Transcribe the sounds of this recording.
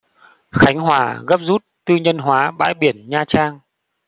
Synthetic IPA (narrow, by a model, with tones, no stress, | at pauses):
xa˨˦jŋ̟ɦwaː˧˩ɣə˦˥p̚zu˦˥t̚t̪ɨ˧ɲə˧nɦwaː˨˦ɓa̰ː˧˥jɓi˧˩ənɲaː˧t͡ɕaː˧ŋ